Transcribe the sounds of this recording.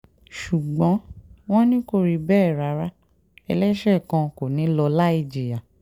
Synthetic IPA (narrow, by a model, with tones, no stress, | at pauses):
ʃu˨ɡ͡bɔ̃˨˦w̃ɔ̃˦nĩ˦ko˦˨ɾi˧bɛː˦˨ɾa˨˦ɾa˦ | ɛ˧lɛ˦ʃɛ˦˨kã˧ko˨nĩ˨˦lɔ˧la˦i˦˨d͡ʒi˨ja˨